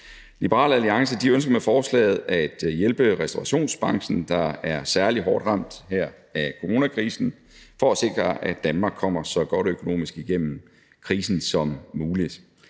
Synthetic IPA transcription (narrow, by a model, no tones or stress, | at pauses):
lib̥əʁɑ̰̈ːlæliɑ̈ŋsəd̥iønsɡ̥ɐmefɒːslɛ̰ːð̞̩ˠæd̥jelb̥əʁɛsd̥oʁɑɕo̝̰ːnsb̥ɑ̈ŋ̰sn̩d̥ɑ̈æɐsæɐliɦɒːd̥ʁɑ̈m̰d̥hæɐ̰ækʰo̝ʁo̝ːnækʰʁiːsn̩ | fɒ̽æse̝ɡ̥ʁɐʔæd̥ænmɑ̈ːɡ̥kʰːɒ̽m̰ɐsɒ̽ɡ̥ɒ̽ɾ̥økʰo̝no̝̰ːmisɡ̥iɡ̥en̰m̩ | kʰʁiːsn̩sɒ̽mːuːlid̥